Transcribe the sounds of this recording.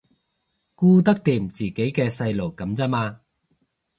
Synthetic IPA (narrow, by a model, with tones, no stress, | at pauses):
kuː˥t̪ɐ˥k̚t̪iː˨˧˩mt͡siː˨ke˨˥jkɛː˧sɐ˧jlo˨˩wkɐ˨˥mt͡sɐ˥maː˧